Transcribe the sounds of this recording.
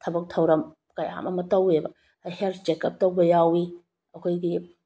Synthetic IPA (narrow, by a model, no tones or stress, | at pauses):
tʰɐbɐk̚tʰɐwɾɐm | kaja̰mɐmɐtɐwebɐ | helt͡ʃekɐp̚tɐwbɐjawi | ɐkʰojɡi